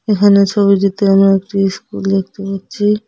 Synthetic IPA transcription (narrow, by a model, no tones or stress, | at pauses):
ekʰanet͡ʃʰobiɖit̪eamɾekʈiskuld̪ek̚ʰt̪epaɾt͡ʃʰi